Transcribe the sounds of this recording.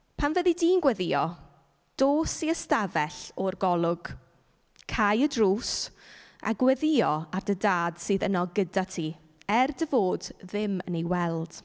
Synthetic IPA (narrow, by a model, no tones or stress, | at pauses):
pʰanvɛdidiːnɡwɛðɪɔ | d̥oːsiəstavɛɬɔrɡɔlˠʊɡ̥ | kʰajədruːs | a̰ɡwɛðɪɔardədaːd̥sɨːðənɔɡədatʰi | ɛrdəvoːdðɪmə̰nejwɛlˠd̥